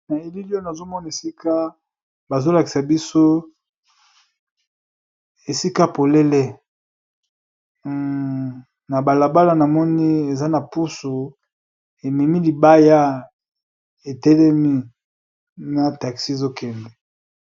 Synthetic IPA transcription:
na˨e˦˨li˦li˦o˦na˨zo˦mɔ˦n˨e˨si˦ka˦ | ba˨zo˦la˨ki̥˨sa˨bi˦so˦ | e˨si˦ka˦po˨lɛ˦lɛ˦ | na˨ba˨la˨ba˦la˨na˨mɔ˦ni˦e˨za˦na˨pu˦su˨ | e˨mi˨mi˦li˨ba˦ja˦ | e˨tɛ˦lɛ˦mi˦ | na˨ta˨ksi˦e˨zo˦kʰɛ˨nbɛ˨

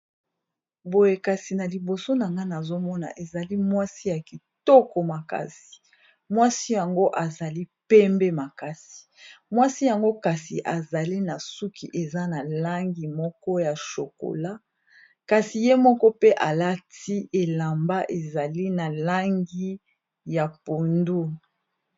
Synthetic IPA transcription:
bo˨je˨ka˨si˨na˨li˨bo˨so˦na˨ŋɡa˦na˨zo˦mɔ˦na̰˨ʔe˨za˨li˦mwa˦si˦ja˨ki˨tɔ˦kɔ˨ma˨ka̰˨si̥˨ | mwa˦si˦ja˨ŋɡo˦ʔa˨za˨li˦pɛ˦mbɛ˦ma˨ka˨si̥˨ | mwa˦si˦ja˨ŋɡo˦ka˨si˨ʔa˨za˨li˦na˨su˦kʰi˨ʔe˨za˦na˨la˦ŋɡi˨mɔ˦kɔ˦ja˨ʃo˨ko̰˨la˦ | ka˨si˨je˦mɔ˦kɔ˦pe˦ʔa˨la˦ti˦ʔe˨la˨mba˦ʔe˨za˨li˦na˨la˦ŋɡi˦ | ja˨po˨ndu˦

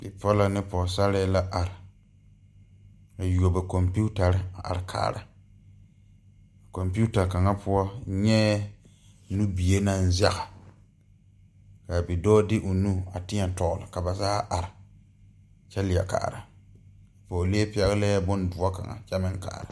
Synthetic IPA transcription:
bɪ˨pɔ˦la˨nɪ˦pɔ˨sa˦lɛ˦la˦ʔa˨ɾɪ˨ | a˨jo˨bɛ˨ko˨mpu˦ta˨ɾɪ˦a˨ʔa̰˨ɾɪ˨kʰa̰ː˨ɾa˨ | ko˨mpu˦ta˨ka˨ŋa˦pʊ˦ɔ˦ɲɛ˦ | nu˦bi˨e˦na˦n˦za˦ɣa˨ | ka˨bɪ˨dɔː˦dɪ˦ʔo˨nu˦a˨tɪ˦a˨tɔ˨ɣʊ˨la˨ka˨ba˨saː˦ʔa˨ɾɪ˨ | t͡ʃɛ˦lɪ˨a̰˨ka̰ː˨ɾa˨ | pɔ˨le˦pɛ˦ɣlɛ˦bʊ˦ndʊ˨a˦ka˨ŋa̰˨t͡ʃɛ˦mɪ˦ŋka̰ː˨ɾa˨

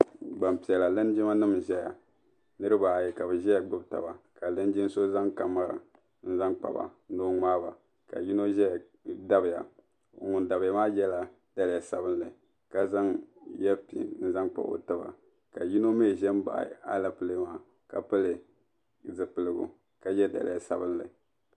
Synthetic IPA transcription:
ɡ͡ba˨mpi˨ɛ˨la˨lɨ˦n˦d͡ʒi˦ma˦nɨ˦m˨ʒɛ˦ja̰˨ | nɨ˦ɾɨ˦ba˨jɛ˨ka˨bɨ˨ʒɛ˦ja˨ɡ͡bɨ˦bta̰˨ba˨ka˨lɨ˦n˦d͡ʒi˦n˦so˦za˦ŋka˨ma˦ɾa̰˨ | n̩˦za˦ŋk͡pa̰˨ba̰˨˦doː˦ŋ͡maː˦ba̰˨ | ka̰˨ji˦no˦ʒɛ˦j | da˦bɪ˨ja̰˨ | ŋʊ˨nda˨bɪ˨ja˨maː˦jɛ˦la˨ | d̥a˨lɪ˨a˨sa˨bɨ˦n˦lɨ˨ | ka˨za˦ŋjɛ˦pḭ˨n̩˦za˦ŋk͡pa̰˨bo̰˨tɨ˦ba̰˨ | ka˨ji˦no˦me˦˨ʒɛ˦m˦ba̰˨a̰˦la˨pɨ˦lɨ˦maː˦ | ka˨pɨ˦lɨ˨ | zɨ˨pɨ˨lɨ˨ɡʊ̰˨ | ka˨jɛ˦da̰˨lɪ̰˨a˨sa̰˦bɨ˦nlɨ̰˨

